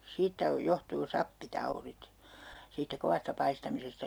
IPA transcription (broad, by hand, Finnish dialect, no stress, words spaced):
siːtːæ o johtuː sɑpːitɑurit siːtːæ koʋɑstɑ pɑistɑmisestɑ